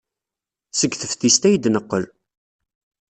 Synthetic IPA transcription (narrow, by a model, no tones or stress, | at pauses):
səɡθəfθist̪æjd̪nəqːəl